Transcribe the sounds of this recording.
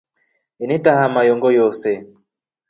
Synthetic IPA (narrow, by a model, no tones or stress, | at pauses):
initaɦamajɔŋɡɔjɔsɛ